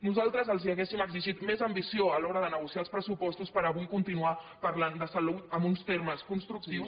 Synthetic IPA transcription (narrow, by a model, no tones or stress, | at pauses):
nuzalˠt̪ɾəzəlˠziəɣesiməɡziʒit̪mezəmbisioəlɔɾəðənəɣusiaːlˠspɾəsupɔst̪uspəɾəβuikunt̪inua | pəɾland̪əsəlut̪əmbunst̪eɾməskunst̪ɾuk̚t̪iws